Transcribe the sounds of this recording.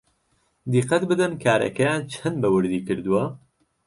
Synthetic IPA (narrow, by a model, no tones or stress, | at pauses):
d̪iqːɐt̪bɨd̪ɨnkʰaːɾɐ̰kɐjaːnt͡ʃʰɐnbɐwɨɾd̪iːkɨɾd̪uwɐ